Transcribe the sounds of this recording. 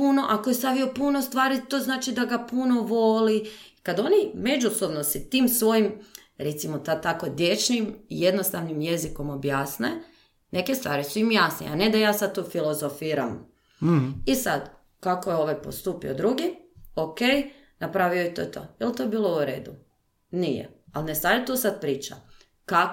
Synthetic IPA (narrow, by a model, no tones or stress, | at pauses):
puno̞ʔakojest̪aʋio̞punost̪ʋaːɾit̪o̞ːznaːt͡ʃid̪aɡapuno̞ʋolikad̪o̞nime̞d͡ʒuso̞bnosɛt̪iːmsʋo̞jim | ɾet̪simot̪at̪akod̪je̞t͡ʃnimḭje̞d̪nost̪aʋnimje̞ziko̞mo̞bjaːsne | ne̞ke̞st̪ʋaːɾisuimjasnḛa̰ne̞d̪ajaːsad̪̚t̪uːfilˠo̞zofiːɾam | isad̪ | kakojeo̞ʋajpost̪uːpḭod̪ɾuɡiokej | napɾaːʋijojt̪oːjt̪ʰo̰ːilˠt̪oebiːlˠo̞uɾḛːd̪u | nijḛalnest̪ajet̪uːsad̪̚pɾiːt͡ʃa̰ | ka